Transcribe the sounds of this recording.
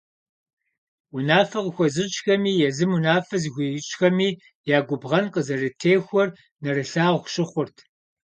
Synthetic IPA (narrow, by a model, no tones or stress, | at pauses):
wʊnaːfɐqəxʷɔzɨt͡ʃxɐmiːjɛzɨmunaːfɐzɨxʷit͡ʃʼxɐmiː | jaːɡʷʊbʁɐnqəzɐrɨtʰeːxʷɔr | nɐrɨɬaːʁʷʃɪχʷʊrtʰ